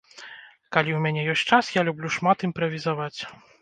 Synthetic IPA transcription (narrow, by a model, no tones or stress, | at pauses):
kalʲiwmʲanʲɛjɔsʲt͡ʂasjalʲublʲuʂmat̪impɾɐvʲizavat͡sʲ